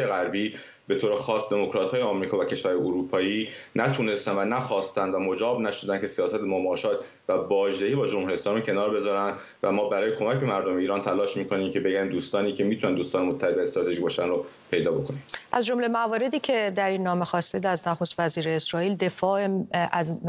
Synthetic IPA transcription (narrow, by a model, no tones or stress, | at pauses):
jeɣæɾbiː | be̞t̪ʰoːɾexɒːsd̪e̞mokɾɒːt̪hɒːjeɒːmɾiːkʰɒːvæcʰe̞ʃvæɾhɒːjeoɾupʰɒːjiːnæt̪ʰuːne̞st̪ænvænæxɒːst̪ænd̪væmo̞d͡ʒɒːbnæʃo̞d̪ænkcʰe̞sijɒːsæt̪ʰemomɒːʃɒːt̪ | væbɒːʒd̪ehiːbɒːd͡ʒomhuɾijeslɒːmiːcʰe̞nɒːɾbe̞zɒːɾænd̪ | væmɒːbæɾɒːjekʰo̞mæcbe̞mæɾd̪omeiːɾɒːnt̪ʰælɒːʃmiːkʰoniːmcʰe̞beɡæɾiːmd̪uːst̪ɒːniːcʰe̞mit̪ʰunænd̪uːst̪ɒːnemot̪ʰːæheb̪æest̪ɾɒːt̪ʰeʒicbɒːʃænro | pʰe̞jd̪ɒːbo̞kʰonimʔæzd͡ʒo̞mlemævɒːɾe̞d̪iːcʰe̞d̪æɾinːɒːmexɒːst̪ed̪æznæxost̪væziːɾeːsɾɒːiːld̪e̞fɒːeæz